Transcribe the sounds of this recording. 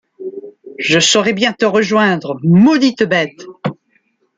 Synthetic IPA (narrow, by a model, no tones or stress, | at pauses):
ʒəsɔʁɛbjɛ̃t̪əʁəʒwɛ̃d̪ʁəmɔd̪it̪bɛt̪